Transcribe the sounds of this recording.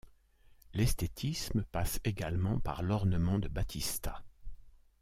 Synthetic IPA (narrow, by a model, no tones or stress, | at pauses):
lɛst̪et̪ʰisməpaseɡalmɑ̃pa̰ʁlɔʁnəmɑ̃d̪əbat̪ʰist̪a